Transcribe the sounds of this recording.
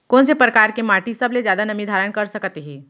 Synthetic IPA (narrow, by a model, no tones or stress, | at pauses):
koːnsepɾəkaːɾkemaːʈisɐblezjaːd̪anɐmid̪ʱaːɾənkɐɾsɐkt̪eɦɛ̃ː